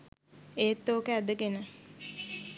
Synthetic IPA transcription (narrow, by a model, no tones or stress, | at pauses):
eːt̪ːoːkəæd̪əɡenə